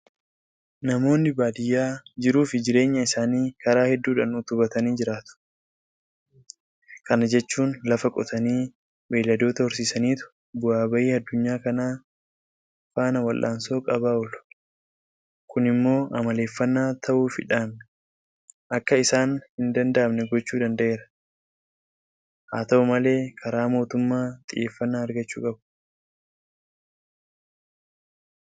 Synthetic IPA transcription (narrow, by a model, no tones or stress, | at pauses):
nɐmo̞ːnːɪbaːd̪ɪjːaːd͡ʒɪɾuːfɪd͡ʒɪɾe̞ːɲːɐɪsaːniːkɐɾaːhɛd̪ːuːᶑɐnut̪ʊbɐt̪ɐniːd͡ʒɪɾaːt̪ʊ̥ | kɐnɐd͡ʒɛt͡ʃːuːnlɐfɐkʼɔt̪ɐniː | weːlːɐd̪o̞ːt̪ɐhʊɾsiːsɐniːt̪ʊ̥ | bʊaːbɐʔiːɐd̪ːʊɲːaːkɐnaː | faːnɐwɐlʔa̰ːnso̞ːkʼɐβaːɔlʊ̥ | kʊnɪmːo̞ːʔɐmɐle̞ːfːɐnːaːt̪ʰɐʔuːfɪᶑaːmnɛ̥ | ʔɐkːɐɪsaːnhɪnd̪ɐnd̪ɐʔɐbnɛɡɔt͡ʃːuːd̪ɐnd̪ɐʔe̞ːɾɐ | haːt̪ɐɔmɐle̞ːkʰɐɾaːmo̞ːt̪ʊmːaːt̪ʼɪʔe̞ːfːɐnːaːɐɾɡɐt͡ʃːṵːkʼɐb